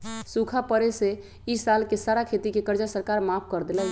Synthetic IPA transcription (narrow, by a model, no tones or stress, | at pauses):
sukʰapəɾese | isalkesaɾakʰet̪ikekəɾd͡ʒasəɾkaɾmapʰkəɾd̪elɛ